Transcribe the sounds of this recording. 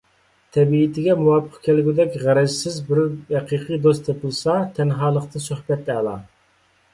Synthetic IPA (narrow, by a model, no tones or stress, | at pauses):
t̪ʰɛbiːt̪ʰɪɡʲɛmuwɑːpʰːəqkʲʰelɡʲyd̪ɛkʲʁæɾɛd͡ʒɪsɪzbɪɾhɛqʰiːqʰijd̪ost̪ʰepʰɨlˠsɑt̪ʰɛnɦɑːlˠəqt̪ɨnsøhbɛt̪ɛlˠɑ̰